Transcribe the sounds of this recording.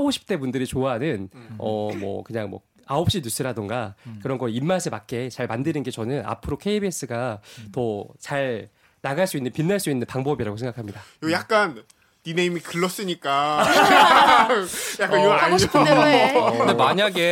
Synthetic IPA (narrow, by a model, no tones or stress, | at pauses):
aɡoɕʰi̥p̚t͈e̞bundɯɾit͡ɕoaɦanɯnʌ̰mʌ̰kɯɲaŋmʌ̰ | aop̚ɕ͈inus͈ʰɯɾadoŋɡakɯɾʌnɡʌɾimːasʰɯmak͈e̞t͡ɕaɭmandɯnɯnɡe̞t͡ɕʌnɯna̰pʰɯɾokʰe̞ibies͈ɯɡatʌt͡ɕaɭ | naɡaɭs͈uinːɯnpinːaɭs͈uinːɯnpaŋbʌbiɾaɡosʰeŋɡakʰamɲidaiʌjak̚k͈anː | ineimikɯɭːʌs͈ɯɲik͈a | jak͈anaʎ | nemaɲaɡe̞